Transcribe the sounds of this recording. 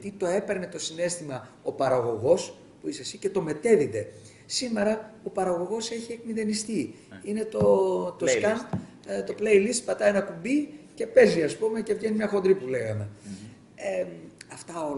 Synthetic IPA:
t̪it̪o̞e̞pe̞ɾne̞t̪o̞sine̞st̪imɐ | o̞pɐɾɐɣo̞ɣo̞s | puisesice̞t̪o̞me̞t̪e̞ðid̪e̞ | sime̞ɾɐo̞pɐɾɐɣo̞ɣo̞se̞çiekmiðe̞nist̪i | ine̞t̪ot̪oskɐnt̪ | t̪o̞ple̞jlist̪̚pɐt̪ɐenɐkumbice̞pe̞ziɐspume̞ce̞vʝenimɲɐxo̞nd̪ɾipule̞ɣɐme̞ | eɐft̪ɐo

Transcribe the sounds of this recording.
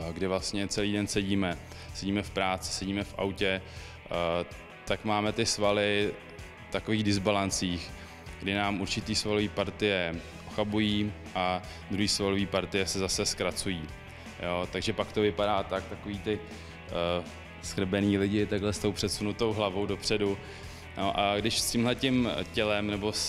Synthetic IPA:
ɡdɪvlast̪ɲɛt͡sɛliːdɛnsɛɟiːmɛ | sɛɟiːmɛfpɾaːt͡sɪ̥sɛɟiːmɛfʔa̰wcɛ | t̪akmaːmɛt̪ɪsvalɪ | ft̪ako̞viːɣdɪzbalant͡siːx | ɡdɪnaːmʔuɾt͡ʃɪt̪iːsvaloviːpaɾt̪ɪjɛ | ʔoxabujiː | ʔa | d̪ɾuɦiːsvaloviːpaɾt̪ɪjɛsɛzasɛskɾat͡sujiː | jo̞ːt̪aɡʒɛpakt̪o̞vɪpadaːt̪ak̚t̪ako̞viːt̪ɪ | skr̩bɛniːlɪɟɪt̪aɡɦlɛst̪o̞wpr̥ɛt̪sunut̪o̞wɦlavo̞wdo̞pr̝̥ɛdu | noʔaɡdɪʃscɪmɦlɛcɪmcɛlɛmnɛbo̞s

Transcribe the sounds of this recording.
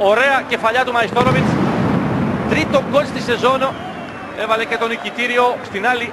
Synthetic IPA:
o̞ɾe̞ɐce̞fɐʎɐt̪umɐjist̪oɾovins | t̪ɾit̪o̞ko̞t͡sst̪ise̞zo̞no | e̞vɐlece̞t̪o̞nicit̪iɾio̞st̪inɐli

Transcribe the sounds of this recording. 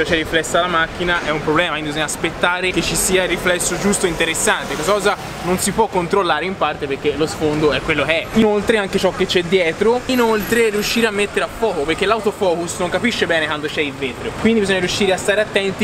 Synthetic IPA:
ot͡ʃɛrːiflɛsːalamak̟ːinaʔɛumpɾoblɛːmakind̪ibizoɔɲːaspet̪ːaːɾeket͡ʃːisiːariflɛsːod͡ʒust̪oint̪eɾesːant̪ekːost̪akɔːza | nonsipwɔkːont̪ɾolːaːɾeimpart̪epeɾk̟ːelosfond̪oɛkːwelːokeɛinolt̪ɾeaŋket͡ʃɔkːet͡ʃːɛd̪ːjɛːt̪ɾoinolt̪ɾeriuʃːiːɾeamːet̪ːeɾeafːɔːkoperkːelːawt̪ofɔːkusnoŋkapiʃːebɛːnekwand̪ot͡ʃɛilveːt̪ɾeokwind̪ibizoɲːaɾjuʃːiːɾeast̪aːɾeat̪ːɛnt̪i

